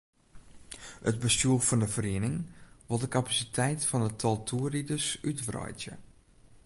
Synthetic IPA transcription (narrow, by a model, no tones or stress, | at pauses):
ət̚bəstuəfɔndəfərinɪŋʋɔlˠdəkapasitʰɛjtfɔndətʰɔlˠtʰuəridəsytʋrɔ̰jtjə̰